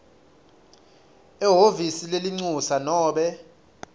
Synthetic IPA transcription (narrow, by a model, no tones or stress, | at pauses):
ɛɦovisileliŋ͡ǀusanɔːɓɛ